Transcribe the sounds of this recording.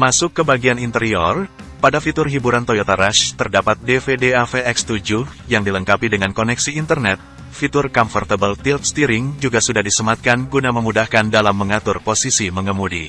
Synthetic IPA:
masʊkːəbaɡianint̪əɾiɔr | padafit̪ʊrɦibuɾant̪ojot̪aɾaʃt̪ərdapat̪̚defedeafeɛkst̪ud͡ʒuh | jaŋdiləŋkapidəŋankonɛksiːnt̪ərnɛt̪̚ | fit̪ʊrkɔmfɔrt̪abəlt̪ilt̪̚st̪iɾɪŋd͡ʒuɡasudahdisəmat̪̚kanɡunaməmudahkandalamːəŋat̪ʊrposisiməŋəmudḭ

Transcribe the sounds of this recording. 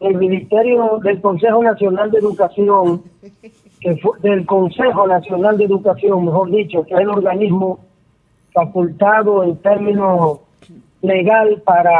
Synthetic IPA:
elmĩnist̪eɾjoðe̞lko̞nse̞xonasjo̞nald̪eðukasjo̞ŋ | kefd̪e̞lko̞nsexonasjo̞nald̪eðukasjo̞ŋme̞xo̞ɾðit͡ʃokeaelo̞ɾɣanizmo | fakult̪aðoent̪e̞ɾmĩno | le̞ɣalpaɾa

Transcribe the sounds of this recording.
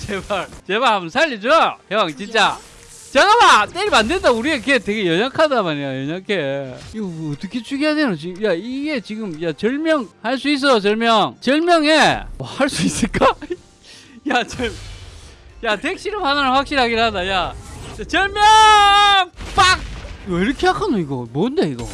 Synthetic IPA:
t͡ɕebaɾt͡ɕe̞baɭhambʌnsʰaʎːid͡ʑojʌŋt͡ɕint͡ɕ͈a | t͡ɕeɡabat͈eɾimandendauɾieketeɡe̞jʌɲakʰadamaɲijajʌɲakʰeɡʌt͈ʌkʰe̞t͡ɕʰuɡijadenot͡ɕiɡmjaiɡe̞t͡ɕiɡɯmjat͡ɕʌɭmjʌŋhaɭs̬͈uis̬͈ʌjot͡ɕʌɭmjʌŋt͡ɕʌɭmjʌŋemahaɭs͈uis͈ɯɭk͈a | jat͡ɕim | jatek̚ɕ͈iɾɯmhanananɸwak̚ɕ͈iɾhaɡiɾɯadajat͡ɕt͡ɕat͡ɕʌɭmjʌŋp͈ak̚ʌiɾɯkʰeakʰanoiɡʌmwʌnde̞iɡʌ

